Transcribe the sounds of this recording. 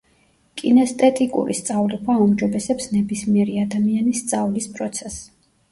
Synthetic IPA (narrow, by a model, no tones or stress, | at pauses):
kʼḭnɛst̪ʼɛt̪ʼikʼṵɾḭst̪sʼavlikʰwaumd͡ʒɔbɛsɛpsnɛbismiɛɾiad̪amianist̪sʼavlispʼɾɔt̪sʰɛs